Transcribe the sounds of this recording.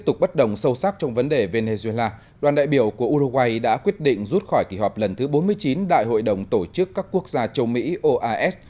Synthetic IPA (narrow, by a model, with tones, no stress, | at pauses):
p̚t̪ʊ˨˩k͡p̚ɓə˦˥t̚ɗə˨˩wŋ͡msə˧wsa˦˥k̚t͡ɕɔ˧wŋ͡mvə˨˦nɗe˨˩ve˧ne˧zu˧e˧laː˧ | ɗwaː˨˩nɗa̰ː˧˨jɓi˧˩əwku˧˩əʔu˧ɾo˧ɣwa˧jɗa̰ː˧˥kwi˦˥ət̚ɗḭ̈˧˨ŋ̟zu˦˥t̚xɔ˧˩jki˧˩ɦɔ˨˩p̚lə˨˩nt̪ʰɨ˨˦ɓo˨˦nmɨ˧əjt͡ɕi˨˦nɗa̰ː˧˨jɦo̰˧˨jɗə˨˩wŋ͡mt̪o˧˩t͡ɕɨ˦˥kːaː˦˥kːu˦˥ək̚zaː˧t͡ɕə˧wmḭ˧˥ʔo˧ʔaː˧ʔɛ˦˥s